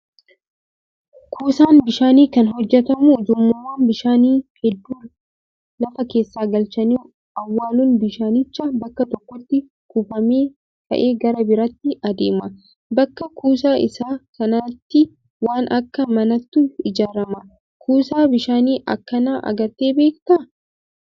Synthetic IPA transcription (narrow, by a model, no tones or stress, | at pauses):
kʰuːsaːnbɪʃaːniːkɐnɦɔd͡ʒːɛt̪ɐmʊd͡ʒʊmːʊmːaːnbɪʃaːniːhɛd̪ːuː | lɐfɐke̞ːsːaːɡɐlt͡ʃɐniː | ʔɐwːaːluːnbɪʃaːnɪt͡ʃːɐbɐkːɐt̪ɔkːɔt̪ːɪ | kuːfɐmeː | t̪ɐ̰ʔe̞ːɡɐɾɐbɪɾɐt̪ːɪɐd̪ḛːmɐ | bɐkːɐkuːs̬aːʔɪsaːkɐnɐt̪ːɪ | waːnʔɐkːɐmɐnɐt̪ːuɪd͡ʒaːɾɐmɐ | kʰuːsaːbɪʃaːniːʔɐ̰kːɐnaːʔɐ̰ɡɐɾt̪e̞ːbe̞ːkt̪ɐ